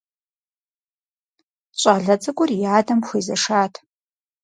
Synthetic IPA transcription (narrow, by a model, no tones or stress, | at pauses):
ɕʷʼaːɮɐt͡sʼɐkʷʼʊrjaːdɐmxʷeːzɐʂaːtʰ